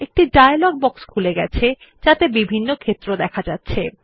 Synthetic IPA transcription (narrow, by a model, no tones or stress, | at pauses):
ek̚ʈiɖajalɔɡ̚bɔkskʰuleɡɛt͡ɕʰe | d͡ʑat̪ebibʱinːokʰet̪ːɾod̪ɛkʰad͡ʑatːɕʰe